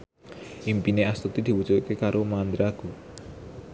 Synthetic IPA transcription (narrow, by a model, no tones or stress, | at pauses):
impineast̪ut̪id̪i̤but͡ʃuʔkekaɾomand̪ɾaku